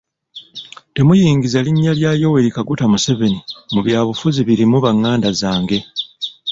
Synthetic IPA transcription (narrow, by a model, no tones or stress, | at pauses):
te̞mujiːŋɡizaliɲːaljaːjo̞weɾikaɡutamuse̞ve̞nimuβjaːβufuziβiɾimuβaŋːaːndazaːŋɡe̞